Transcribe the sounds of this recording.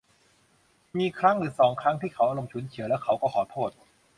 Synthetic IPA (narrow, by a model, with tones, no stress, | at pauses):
miː˧kʰɾa˦˥ŋɾɯː˩˦sɔː˩˦ŋkʰɾa˦˥ŋt̪ʰiː˥˩kʰa˦˥wʔaː˧ɾo˧mt͡ɕʰuː˩˦nt͡ɕʰɯ˩˦ɐlɛː˦˥wkʰa˦˥wkɔː˥˩kʰɔː˩˦t̪ʰoː˥˩t̪̚